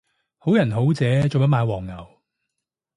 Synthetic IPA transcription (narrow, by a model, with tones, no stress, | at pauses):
ho˨˥wjɐ˨˩nɦo˨˥wt͡sɛː˨˧t͡so˨wpɐ˥maː˨˧jwɔː˨˩ŋːɐ˨˩w